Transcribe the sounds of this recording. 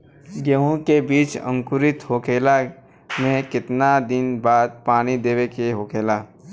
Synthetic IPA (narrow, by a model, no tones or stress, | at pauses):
ɡəɦõkebiːt͡ʃə̰̃ŋkʊɾɪt̪ɦoːkeːla | mẽkɪt̪nad̪ɪnbaːd̪̚paːñid̪eːwekeɦoːkʰeːlaː